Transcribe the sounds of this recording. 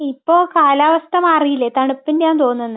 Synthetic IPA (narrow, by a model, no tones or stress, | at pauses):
ipːoːkaːlaːʋɐst̪ʰɐmɐrijilːet̪ɐɳupːindɲaːnt̪o̞ːnːenːɨ